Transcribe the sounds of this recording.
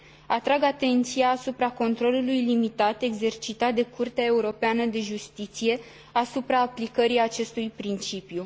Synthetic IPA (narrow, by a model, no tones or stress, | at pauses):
at̪ɾaɡat̪e̞nt̪sijaːsupɾako̞nt̪ɾo̞lulujlimit̪at̪e̞ɡze̞rt͡ʃit̪at̪̚d̪e̞kurt̪eae̞uɾo̞peanəd̪e̞ʒust̪it̪sije̞ | asupɾaːplikəɾijat͡ʃe̞st̪ujpɾint͡ʃipju